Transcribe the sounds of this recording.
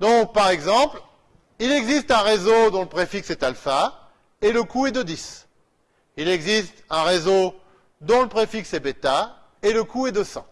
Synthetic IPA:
d̪ɔ̃k̚paʁɛɡzɑ̃pl | ilɛɡzist̪ɛ̃ʁezod̪ɔ̃ləpχefiksɛt̪alfa | eləkuɛd̪əd̪is | ilɛɡzist̪ɛ̃ʁezo | d̪ɔ̃ləpχefiksɛbet̪a | eləkuɛd̪əsɑ̰̃

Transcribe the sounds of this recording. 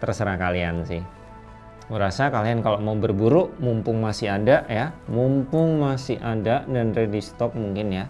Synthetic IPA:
t̪ərsəɾahkaliansɪh | uɾasakaliankalomaubərbuɾʊʔmumpʊŋmasiadaʔjamumpʊŋmasiadadanredist̪ɔk̚muŋkɪnja

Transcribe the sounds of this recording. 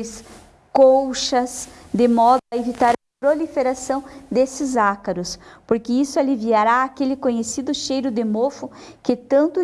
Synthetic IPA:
s | kowʃɐsd̪ɪmɔd̪evit̪aɾɐpɾolifeɾasɐ̃w̃d̪esɪzakɐɾʊspoɾkeisʊaliviaɾaːkelɪkõɲesid̪ʊʃejɾʊd̪emofʊkɪt̪ɐ̃nt̪ʊ

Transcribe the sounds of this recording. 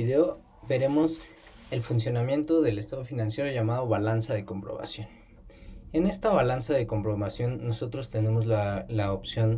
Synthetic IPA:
iðeo | be̞ɾe̞mo̞s | e̞lfunsjo̞namje̞nt̪o̞ðe̞le̞st̪aðo̞finãnsje̞ɾoʝamaðo̞βalansaðe̞ko̞mpɾo̞̰βa̰sjo̞n | e̞ne̞st̪aβalansaðe̞ko̞mpɾo̞βasjo̞nːo̞so̞t̪ɾo̞st̪e̞ne̞mo̞zlalaopsjo̞n

